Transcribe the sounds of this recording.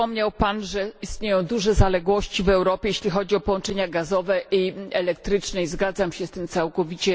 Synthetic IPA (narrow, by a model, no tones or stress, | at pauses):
ɔmɲawpanʐɛist̪ɲejɔ̃w̃d̪uʐɛzalɛɡwɔɕt͡ɕivɛwɾɔpʲjejeɕlʲixɔd͡ʑiɔpɔwɔnt͡ʂɛɲaɡazɔvɛʔiɛlɛk̚t̪ɾɘt͡ʂnɛizɡad̪zamɕɛst̪ɘmt̪sawkɔvʲit͡ɕɛ